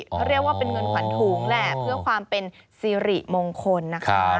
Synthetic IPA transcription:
k̪ʰa˥˩ɾi˥˩ək̚waː˥˩pe˧nŋɤ˧nkʰwa˨˩˦nt̪ʰuː˨˦ŋlɛ˦˥˩pʰɯ˥˩ɐəkʰwaː˧mpe˧nsiː˧ɾi˨˩moː˧ŋkʰo˧nːa˦˥kʰa˦˧

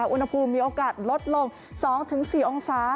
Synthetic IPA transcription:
a˦ʔu˧nha˧pʰuː˧mːiː˧ʔoː˧kaː˨˩t̪̚lo˦˥t̪̚lo˧ŋ | sɔː˩˦ŋt̪ʰɯ˩˦ŋsiː˨˩ʔo˧ŋsaː˩˦

